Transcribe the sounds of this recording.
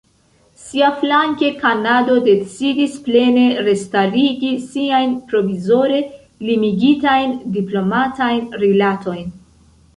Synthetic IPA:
siaflaŋke̞kanado̞de̞t͡sidisple̞ne̞ɾe̞staɾiɡisiajnpɾo̞vizo̞ɾe̞ | limiɡitajndiplo̞matajnɾilatʰo̞jn

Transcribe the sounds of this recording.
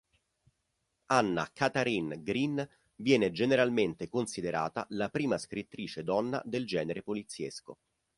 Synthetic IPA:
anːa̰kat̪aɾinɡɾin | vjɛːned͡ʒeneɾalment̪ekonsid̪eɾa̰ːt̪a̰lapɾiːmaskɾit̪ːɾiːt͡ʃed̪ɔnːa̰d̪eld͡ʒɛːneɾepolit̪sːjḛsko̰

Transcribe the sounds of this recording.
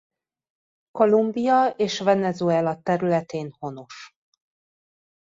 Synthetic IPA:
ko̞lumbijɒeːʃvɛnɛzuɛlɒt̪ɛɾylɛt̪eːnho̞noʃ

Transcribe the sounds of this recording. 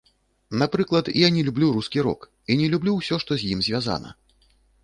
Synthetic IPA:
napɾɨklˠɐt̪ijanʲɛlʲublʲuɾuskʲiɾɔ̰k | inʲɛlʲublʲuwsʲɔʂt̪ɔzʲjimzʲvʲaza̰nɐ̰

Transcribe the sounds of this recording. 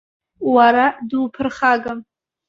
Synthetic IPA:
waɾadwpʰɨrχaɡam

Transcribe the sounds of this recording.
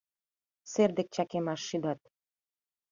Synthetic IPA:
serd̪ĕk̚t͡ɕɑkemɑʃːid̪ɑt̪̚

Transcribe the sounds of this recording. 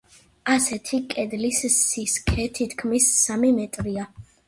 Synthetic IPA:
asɛt̪ʰikʼɛd̪lissiskʰɛt̪ʰit̪ʰkʰmisːamimɛt̪ʼɾia

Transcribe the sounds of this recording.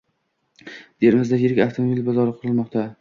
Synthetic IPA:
d̪̥eɾɪmɪzd̪ajɪɾɪkʲaft̪ʰomobilbɒzɒɾɨqʰɨɾɨlmɒqt̪ʰa

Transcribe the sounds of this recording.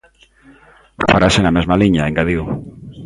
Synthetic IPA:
faɾasenamezmaliɲaeŋɡaðiw

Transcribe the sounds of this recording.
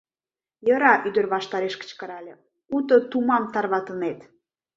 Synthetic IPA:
jəɾɑʔyd̪ə̆rβɑʃt̪ɑɾeʃkə̥t͡ɕkəɾɑlʲe | ut̪ət̪umɑmt̪ɑrβɑt̪ənet̪

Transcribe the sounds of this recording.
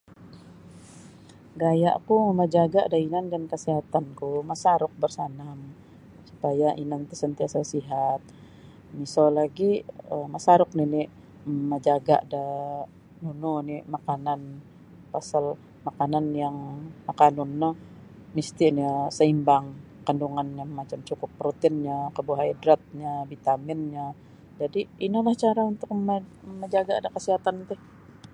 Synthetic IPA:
ɡaja̰ʔkuməd͡ʒaɡaʔdainandankəsiɦat̪ankumasaɾʊk̚bərsanam | supajaʔinant̪əsənt̪iasasiɦat̪̚ | misolaɡiəmasaɾʊk̚ninɪ | məd͡ʒaɡa̰ʔda | nunɔnimakanan | pasal | makananjaŋmakanunːɔ | mist̪inisəimbaŋ | kənduŋanɲamat͡ʃamt͡ʃukʊpːɾot̪ɪnɲakəbuɦaidɾat̪̚ɲabit̪amɪnɲa | d͡ʒadiːnalaht͡ʃaɾaunt̪ʊk̚məməɲd͡ʒaɡaːdakəsiɦat̪ant̪ʊh

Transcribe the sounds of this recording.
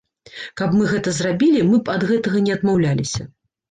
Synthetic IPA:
kɐpmɨɣɛt̪ɐzrabʲilʲimɨpɐd̪ɣɛt̪ɐɣɐnʲɛɐd̪mawlʲalʲisʲɐ̰

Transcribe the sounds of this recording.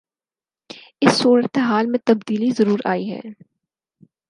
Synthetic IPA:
ɪsːuːɾət̪eɦaːlmẽt̪ɐbd̪iːlizɐɾuːɾa̰ːiɦɛ̰ː

